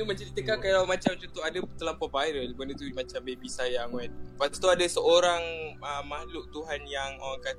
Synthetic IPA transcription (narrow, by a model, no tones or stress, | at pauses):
t̪umat͡ʃat̪it̪əkakalawmat͡ʃamt͡ʃɔt̪ɔɦadət̪əlampɔvaiɾəlbəndət̪umat͡ʃambebisajaŋwɛt̪pat̪ast̪uadasəʔoɾaŋəmːahlʊʔ̚t̪uɦanjaŋokat̪